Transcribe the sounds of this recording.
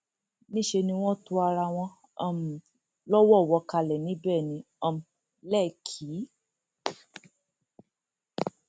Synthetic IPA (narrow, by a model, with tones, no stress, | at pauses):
nĩ˦ʃe˧nĩ˧w̃ɔ̃˦tu˧˦a˧ɾa˧w̃ɔ̃˧ | a˦˨m˨ | lɔ˦wɔ˦˨wɔ˧ka˧lɛ˨nĩ˦bɛ˦˨nĩ˧ | ɔ˦˧m˨ | lɛ˦˨kʰi˨˦